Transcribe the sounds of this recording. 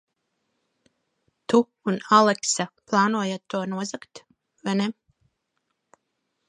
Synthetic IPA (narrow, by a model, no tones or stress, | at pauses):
t̪uː | nalɛksaplˠaːnuɔjat̪ːuɔnuɔzakt̪ | vajnɛ